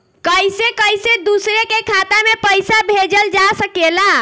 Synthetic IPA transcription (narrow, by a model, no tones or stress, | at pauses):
kəjsekəjsed̪usɾekekʰat̪amepəjsabʱed͡ʒəld͡ʒasəkela